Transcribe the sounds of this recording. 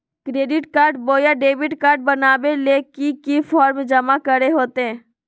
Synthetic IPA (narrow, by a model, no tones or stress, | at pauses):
kɾeːɖɪʈkaːɾɖboːjaɖeːbɪʈkaːɾɖ̚bɐnaːbelekikifʰɔːɾmd͡ʒɐmakəɾeɦoːt̪eɦɛ̃ː